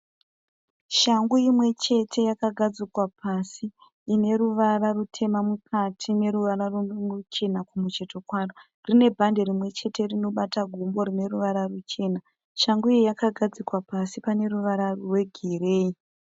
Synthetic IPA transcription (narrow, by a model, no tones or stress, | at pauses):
ʃaŋɡuimwe̞t͡ʃe̞tʰe̞jakaɡʱad͡zikwapasiː | ne̞ɾuʋararutʰe̞mamukʰatʰine̞ɾuʋaɾaruut͡ʃe̞nakumut͡ʃe̞to̞kwaːro | rine̞bʱande̞ɾimwe̞t͡ʃe̞te̞rino̞ɓataɡʱumbo̞rine̞ruʋaɾarut͡ʃe̞ːna | ʃaŋɡuijakaɡʱad͡zikwapasipane̞ruʋaɾaruwe̞ɡʱereːi